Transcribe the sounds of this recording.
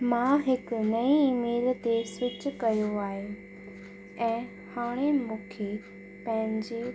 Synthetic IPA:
mãɦɪkʊ̆nɐiːmeːlt̪esɪt͡ɕʊ̆kɐjoaːɦe | ɛ̃ː | haːɽ̃emũːkʰe | pɐ̃ɦɪ̃ɲd͡ʑeː

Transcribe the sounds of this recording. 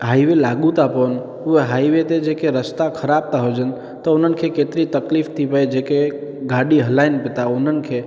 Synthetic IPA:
ɦaːiʋelaɡũt̪apən | ueɦaiʋet̪ed͡ʒekeɾəst̪akʰəɾab̚t̪aɦod͡ʒən | t̪əʊnənkʰekeːt̪ɾit̪əkliːft̪ʰipəed͡ʒekeɡaɽiɦəlaɪnpɪt̪aʊnən̆kʰe

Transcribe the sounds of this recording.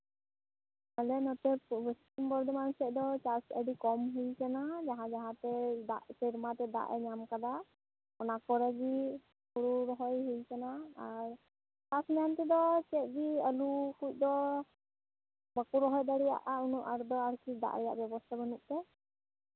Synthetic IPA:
alɛnɔt̪ɛpbəst̪imbɔɾd̪ɔmansɛc̚d̪ɔt͡ʃaɾsəɖikɔmɦujkɛnad͡ʒaɦãd͡ʒaɦãt̪ɛd̪a̰ʔsiɾmat̪ɛd̪a̰ʔɛ̰ɲamkad̪a | ɔnakɔɾɛɡi | kuɾuɾɔɦɔjɦujkanaːɾ | t͡ʃasnamt̪id̪ɔt͡ʃɛt̪̚ˀɡiəlukuc̚ˀd̪ɔ | bəkuɾɔɦɔjd̪aɽija̰ʔaunuʔaɾd̪ɔaɾkʰid̪a̰ʔɾɛja̰ʔbjɔbɔst̪ʰabənuʔ̚t̪ɛ

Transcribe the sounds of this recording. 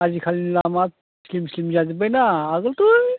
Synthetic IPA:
azikʰalinlamat̚ | slimslimzazibajnaːɡəlt̪u

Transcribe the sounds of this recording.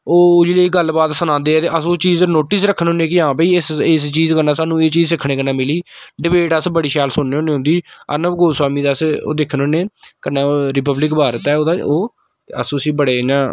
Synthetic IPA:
oːd͡ʒeːleːɡəlbaːt̪sənãːnd̪eːɛːt̪eːʔəsõːt͡ʃiːznoːʈɪsɾəkʰːənɦʊ̃nẽːkɪãːpiːɪsest͡ʃiːzkənãːsaːnũːeːt͡ʃiːzsɪkʰːɽẽːkənãːmɪliːɖɪbeːʈəsbəɽiːʃaːlsʊnːeːɦõːneːʊ̃nd̪iːə̰nəbɡoːswaːmĩːd̪asːd̪eːkʰənʊnːeːkənːaːɾɪpəblɪkbʱaːɾət̪ɛːoːd̪aːoː | ə̰sũːəsiːbəɽeːnãː

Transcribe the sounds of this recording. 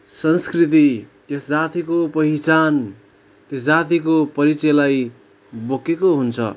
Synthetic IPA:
sʌnskrit̪̬it̪jesd͡zat̪ikopʌɦit͡san | t̪jesd͡zat̪ikopʌɾit͡sʌjlaj | bokekoɦunt͡sʰʌ̰

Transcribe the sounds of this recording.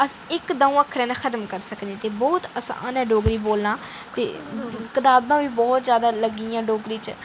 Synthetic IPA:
əsɪkd̪ãːũːəkʰɾɛ̃ːnãːxʰət̪mkəɾsəkd̪ẽːt̪eːbɔːt̪əsã̰ːnɛːɖoːɡɾiːboːlnãː | t̪ḛːkɪt̪aːbãːʋiːbɔːt̪zjaːd̪aːləɡiːãːɖoːɡɾiːt͡ʃ

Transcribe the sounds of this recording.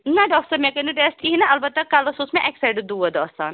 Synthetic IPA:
nɐɖɔːksɐɾmɛkɐniɖesʈ̪ʰiɦinɐʔɐlbɐt̪ːɐkaːlɐsuːsmẽʔɛksaɪɖd̪uːɐd̪ɔːsa̰ːn

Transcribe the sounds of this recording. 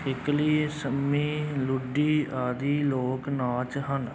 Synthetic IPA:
ɪkliːsəmiːlʊɖiːaːd̪iːloːknaːt͡ʃɦən

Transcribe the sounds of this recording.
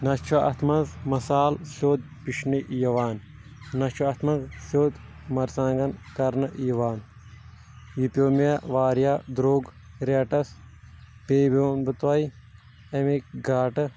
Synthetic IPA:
nɐst͡ʃʰɐʔɐ̰t̪ʰmɐzmɐsaːlsoːd̪̚ | piʃniʔjɐʋaːn | nɐt͡ʃʰɐɐt̪ʰmɐzsoːt̪ | mɐɾsãːŋɡɐnkɐɾnɐʔjɐʋaːn | jipʲoːmjaʋaːɾjaːd̪ɾoːɡ | ɾeːʈɐs | peːboːnbɨt̪wɐj | ɐmikɡaːʈɨ

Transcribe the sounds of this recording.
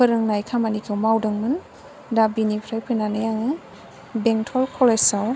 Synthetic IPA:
pʰɯɾɯŋnajkʰamanikʰɯwmawdɯŋmɯn | dabinipʰɾajpʰɯnanɯjaŋɯ | beŋtʰɔlkʰɔlesaw

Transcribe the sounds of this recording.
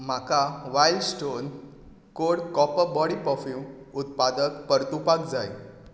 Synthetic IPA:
m̤akaʋajlsʈon | koɽkɔpəbɔɽipɔfĩw | ut̪̚pad̪əkpəɾt̪upakd͡zaj

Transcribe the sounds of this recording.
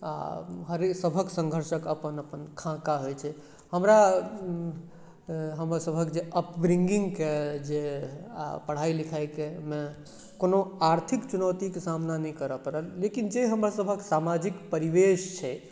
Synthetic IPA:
a̰ɦəɾesəbʱəksə̃ŋɡʱəɾʃəkəpənəpənkʰãkaɦojt͡ʃʰɛ | həmɾa | ɦəmɾasəbʱəkd͡ʒeʔəpbɾiŋɡiŋɡked͡ʒḛ | pəɽ̤ailikʰajkeme | konoaɾt̪ʰikt͡ʃunəwt̪ikesamnanɛjkəɾəpəɾəlːekind͡ʒeɦəmɾasəbʱəksamad͡ʒikpəɾiʋeʃt͡ʃʰɛ

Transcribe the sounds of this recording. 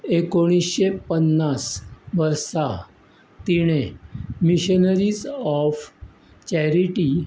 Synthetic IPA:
ekoɽ̃isɕepənːasʋəɾsa | t̪iɽ̃emiɕənəɾiːzɔf | t͡ɕɛɾiʈi

